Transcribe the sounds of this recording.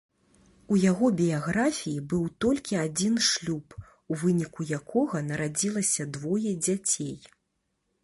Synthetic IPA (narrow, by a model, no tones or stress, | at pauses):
ujaɣɔbʲijaɣɾafʲijibɨwt̪ɔlʲkʲiad͡zʲinʂlʲup | uvɨnʲikujakʰɔɣɐnɐɾad͡zʲilˠɐsʲɐd̪vɔjɛd͡zʲat͡sʲej